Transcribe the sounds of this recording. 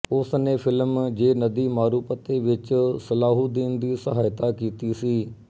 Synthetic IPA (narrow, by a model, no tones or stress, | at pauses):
ʊsneːpʰɪlmd͡ʒeːnəd̪iːmaːɾuːpət̪eːʋɪt͡ʃsəlaːɦuːd̪iːnd̪iːsəɦaːjt̪aːkiːt̪iːsiː